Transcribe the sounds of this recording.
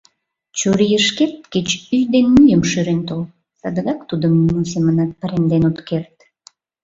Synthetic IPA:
t͡ɕuɾijəʃkert̪̚ket͡ɕyjd̪enmyjəmʃyɾent̪ol | sɑd̪əɣɑkt̪ud̪əmnimus̬emənɑt̪̚pɑɾend̪enot̪kert̪

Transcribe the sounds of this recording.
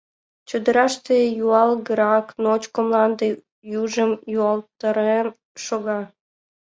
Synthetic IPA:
t͡ɕud̪əɾɑʃt̪ejuɑlɡəɾɑknot͡ɕkomlɑnd̪e | juʒəmjuɑlt̪əɾen | ʃoɣɑ

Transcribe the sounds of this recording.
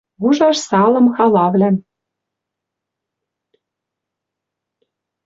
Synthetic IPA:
βuʒɑʃsɑlɤ̆mxɑlɑβlæ

